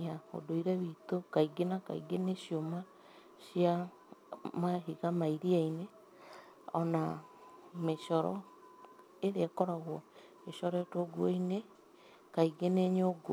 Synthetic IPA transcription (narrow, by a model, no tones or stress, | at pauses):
ao̰doiɾɛβit̪okaiɡenaka̰ḭɡeneɕjoma | ɕja | maɦiɣamaiɾiaine | ɔna | meʃɔɾɔ̰ | eɾeakɔɾaɣwɔ | eʃɔɾɔetoɡuoine | kaiɡeneɲoɡo